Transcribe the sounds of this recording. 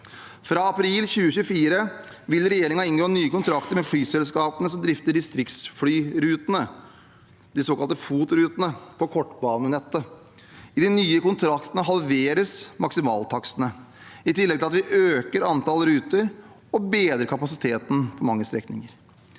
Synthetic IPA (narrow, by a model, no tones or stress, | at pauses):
fɾɑɑpʰɾilçʉːəçʉːfiːɾə | ʋɪlɾɛjeːɾɪŋɑɪnɡoːnyːəkʊnt̪ʰɾɑkt̪əɾmɛflyːsɛlskɑːpənəsɔmd̪ɾɪft̪əɖɪst̪ɾɪk̪sfɽyːɾʉːt̪ənə | d̪̥ɪsokɑlt̪əfuːt̪ɾʉːt̪ənəpʰɔkʰɔʈːbɑːnənɛt̪ːə | ɪd̪ɪnyːəkʊnt̪ʰɾɑkt̪ənəɦɑlʋeːɾəsmɑksɪmɑ̰ːlt̪ʰɑksənə | ɪt̪ɪlːɛɡt̪ɪlɑt̪ʋɪʔøːkəɾɑnt̪ɑlɾʉːt̪əɾ | ɔbeːd̪ɾəɾkʰɑpɑsɪ̥t̪ʰeːt̪n̩pʰɔmɑŋːəst̪ɾɛ̰knɪ̰ŋəɾ